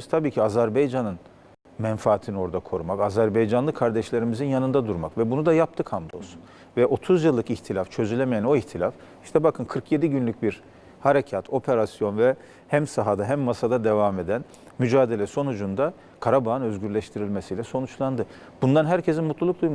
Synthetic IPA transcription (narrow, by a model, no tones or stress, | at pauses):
z̥t̪ʰabiːcʰiazæɾbejd͡ʒanɯn | mɛnfaːt̪ʰinio̞ɾd̪akʰo̞ɾumakazæɾbejd͡ʒanlˠɯkʰːaɾd̪ɛʃlʲe̞ɾimizinjanɯnd̪ad̪uɾmakvɛbunud̪ajap̚t̪ʰɯkʰhamd̪o̰su̥n | vɛʔo̞t̪ʰuzjɯlˠːɯkiçt̪ʰilʲaft͡ʃʰø̞zylʲɛmejæno̞içt̪ʰilʲaf | iʃt̪ʰɛbakʰɯnkʰɯɾkʰje̞d̪iɟynlʲyc̚biɾ | haɾecʰat̪ʰo̞pʰe̞ɾasjo̞nvɛ | hæmsaɦad̪aɦæmːasad̪ad̪e̞vame̞d̪æn | myd͡ʒaːd̪e̞lʲɛso̞nud͡ʒund̪a | kʰaɾabaɦɯnø̞zɟyɾlʲɛʃt̪ʰiɾilʲmesijlʲɛso̞nut͡ʃlˠand̪ɯ | b̥und̪anɦæɾcʰe̞zinmut̪lˠulˠuk̚d̪ujm